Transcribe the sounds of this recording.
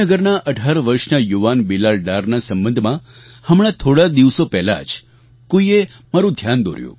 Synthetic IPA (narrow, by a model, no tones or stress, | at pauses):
əɡəɾnaʔəɖʱaɾʋəɾʃnajuʋanbilalɖaɾnasəmbənd̪ʱmã | həmɭ̃ãt̪ʰoɽad̪iʋsopɛɦla̰d͡ʒ | koie | maɾũd̪ʱjand̪o̰ɾjṵ̃